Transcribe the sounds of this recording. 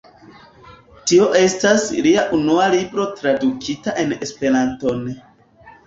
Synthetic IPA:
tio̞ʔe̞stasliaʔunualibɾo̞tɾadukʰitaʔe̞nespe̞ɾanto̞n

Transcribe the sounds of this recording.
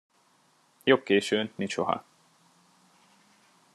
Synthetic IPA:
job̚keːʃøːnminʃoɦɒ̰

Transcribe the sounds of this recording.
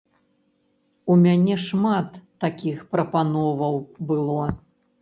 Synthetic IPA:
umʲanʲɛʂmat̪ːakʲixpɾɐpanɔvɐwbɨlˠɔ

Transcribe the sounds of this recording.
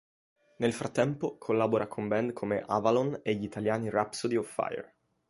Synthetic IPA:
nelfɾat̪ːɛmpokʰolːaːboɾakʰombɛnd̪kʰomeʔavaloneʎːit̪aljaːnirapsod̪iɔfːa̰jḛr

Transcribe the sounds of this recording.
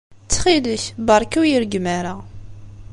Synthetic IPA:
t͡sːχiləçbɑɾˤkæwjiɾɡmæɾa

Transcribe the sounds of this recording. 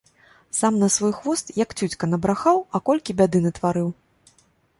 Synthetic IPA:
samnɐsvɔjxvɔst̪jɐkt͡sʲut͡sʲkɐnɐbɾaxawɐkɔlʲkʲibʲad̪ɨnɐt̪vaɾɨw

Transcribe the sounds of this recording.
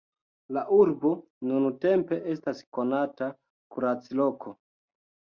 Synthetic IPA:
laʔuɾbo̞ | nunute̞mpe̞ʔe̞stasko̞nata | kuɾat͡silo̞kʰo

